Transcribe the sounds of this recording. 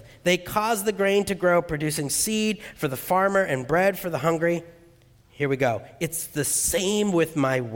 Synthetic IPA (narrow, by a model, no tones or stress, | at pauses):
ðeɪkʰɔzðɨɡɹẽɪ̃ntɨɡɹoʊpʰɹ̥ɨdʉsɪ̃ŋsid̥fə˞ðəfɑɹmə˞ʔɨ̃nbɹɛd̥fə˞ðəɦʌ̃ŋɡɹi | hiɹwiɡoʊɨtsðɨsẽɪ̃mwɪðmaɪw